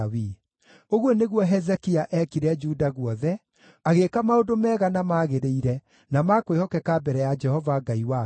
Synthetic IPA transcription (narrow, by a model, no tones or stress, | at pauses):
wi | oɣwɔneɣwɔɦɛzɛkiaʔɛkiɾɛd͡ʒudaɣwɔðɛ | aɣekamaodomɛɣanamaːɣeɾeiɾɛ | namakwehɔkɛkabɛɾɛjad͡ʒɛhɔvaɡaiwa